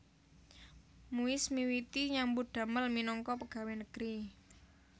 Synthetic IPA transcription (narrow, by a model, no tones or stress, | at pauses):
muɪsmiwit̪iɲambud̪̥a̤məlminɔŋkɔpəɡ̥a̤wenəɡ̥əɾi